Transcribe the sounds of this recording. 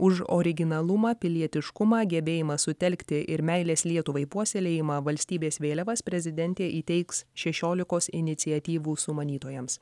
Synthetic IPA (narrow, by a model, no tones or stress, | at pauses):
ʊʃo̰ɾʲɪɡʲɪnɐlˠʊmɑːpʲɪlʲiɛt̪ʲɪʃkʊmɑːɡʲɛbʲeːjɪmɐsʊt̪ʲɛlʲkʲt̪ʲɪʔɪɾmʲɛɪlʲeːslʲiɛt̪ʊʋɐɪpuɔsʲeːlʲeːjɪmɑʋɐlʲsʲt̪ʲiːbʲeːsʋʲeːlʲɛʋɐspʲɾʲɛzʲɪd̪ʲɛnʲt̪ʲeːʔiːt̪ʲɛɪksʃʲɛʃʲoːlʲɪkoːsɪnʲɪt̪sʲɪɛt̪ʲiːʋuːsʊmɐnʲiːt̪oːjɛms